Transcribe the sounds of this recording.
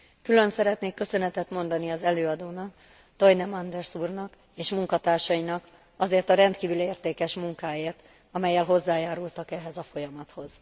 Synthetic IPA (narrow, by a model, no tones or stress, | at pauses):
kylø̞nsɛɾɛt̪neːkːø̞sø̞nɛt̪ɛt̪mo̞nd̪ɒniɒzɛløːɒd̪oːnɒk̚ | t̪o̞jnɛmɒnd̪ɛrsuːrnɒk | eːʃmuŋkɒt̪aːrʃɒinɒk | ɒzeːrt̪ɒɾɛnt̪kiːvyleːrt̪eːkɛʃmuŋkaːjeːrt̪ | ɒmɛjːɛlɦo̞zːaːjaːɾult̪ɒkɛɦɛzɒfo̞jɒmɒt̪ho̞z̥